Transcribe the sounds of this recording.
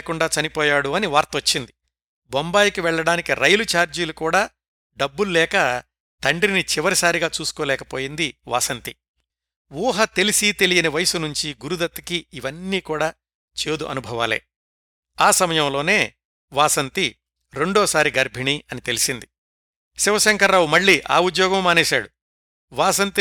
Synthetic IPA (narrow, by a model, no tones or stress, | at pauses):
kuɳɖaːt͡ʃɐnipɔːjaːɽuɐniʋaːɾt̪ɐɐt͡ʃːind̪i | bɔmbaːjikiʋɛɭːɐɽaːnikiɾɐjlut͡ʃaːɾd͡ʒiːlukuːɽaː | ɖɐbːululɛːkɐ | t̪ɐɳɖɾinit͡ʃiʋɐɾisaːɾiɡaːt͡ʃuːsu̥koːlɛːkɐpo̞ːjind̪iʋa̰ːsɐnt̪i | ʋuːɦɐt̪e̞lisit̪e̞lijɐnɐʋɐjɐsunuɲt͡ʃiɡuɾud̪ɐt̪ːɐkiːʋɐnːiːkuːɽaː | t͡ʃe̞ːd̪uʔɐ̰nubʱɐʋaːlḛː | aːsɐmɐjɐmlo̞ːne̞ː | ʋaːsɐnt̪i | ɾe̞ɳɖoːsaːɾiɡɐɾbʱiɳiɐnit̪e̞lisind̪i | siʋɐʃɐŋkɐɾːaːwumɐɭːiːʔa̰ːud̪jɔːɡɐmːaːnɛːʃaːɽu | ʋaːsɐnt̪i